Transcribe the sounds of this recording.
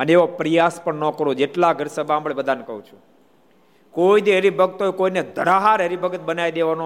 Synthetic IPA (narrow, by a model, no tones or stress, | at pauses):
əneeʋopɾijaspəɳnɔkəɾod͡ʒeʈlaɡʱəɾsəbʱaamɭebəd̪ʱanekəɦũt͡ʃʰũ̥ | koid̪eɦəɾibʱəɡ̚t̪ojkoined̪ʱəɾaɦaɾɦəɾibʱəɡət̪̚bənaid̪eʋano